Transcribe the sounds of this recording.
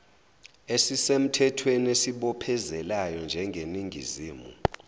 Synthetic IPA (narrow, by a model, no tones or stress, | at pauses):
esisem̩tʰɛtʰwenesiɓɔpʰɛzɛlajɔnd͡ʒʱɛŋɡʱeniŋʱḭziːmṵ